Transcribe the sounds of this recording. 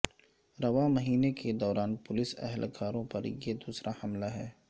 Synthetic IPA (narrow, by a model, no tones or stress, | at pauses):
ɾɐʋamɐɦiːnekʰed̪ɔːɾaːnpʊlɪsɛ̰ɦɛlkʰaːɾõpɐɾjed̪uːsɾahɐmlaɦɛː